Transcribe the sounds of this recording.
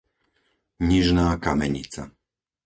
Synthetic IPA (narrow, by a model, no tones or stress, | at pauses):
ɲiʒnaːkamɛ̰ɲḭt͡sa